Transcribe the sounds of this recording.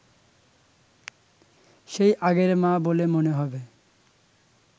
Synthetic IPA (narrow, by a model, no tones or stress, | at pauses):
ʃejʔaɡeɾmãbolemoneɦɔbe